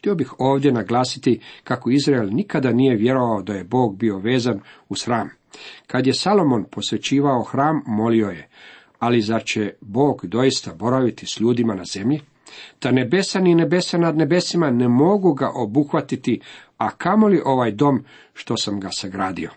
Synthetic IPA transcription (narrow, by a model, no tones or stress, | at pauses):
t̪io̞bixo̞ːʋd̪je̞naɡlˠaːsit̪ikako̞izɾaelnikad̪anije̞ʋje̞ɾo̞ʋaod̪aje̞bo̞ːɡbio̞ʋe̞ːzanusxɾaːm | kad̪je̞salˠo̞mo̞npo̞sʋe̞t͡ɕiːʋao̞xɾaːmːo̞lio̞je̞ | alizaɾt͡ɕe̞bo̞ːɡd̪o̞jist̪abo̞ɾaʋit̪isʎuːd̪imanaze̞mʎi | t̪ane̞be̞sanine̞be̞sanad̪ne̞be̞simane̞mo̞ɡuɡaʔo̞buxʋat̪it̪iakamo̞liʔo̞ʋaːjd̪o̞m | ʃt̪o̞samɡasaɡɾaːd̪io̞